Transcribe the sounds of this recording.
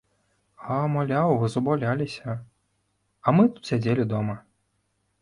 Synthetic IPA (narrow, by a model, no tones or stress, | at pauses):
amalʲawvɨzubalʲalʲisʲɐ | ɐmɨt̪u̥t̪sʲad͡zʲelʲid̪ɔmɐ